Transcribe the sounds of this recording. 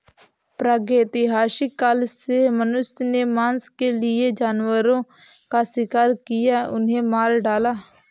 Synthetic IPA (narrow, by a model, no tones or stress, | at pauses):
pɾaːɡeːt̪ɪɦaːsiːkəlsemənʊʃneːmaːnskeːlɪeːd͡ʒaːnwəɾõː | kaːsɪkaːɾkɪjaːʊ̰nɦẽːmaːɾɖaːlaː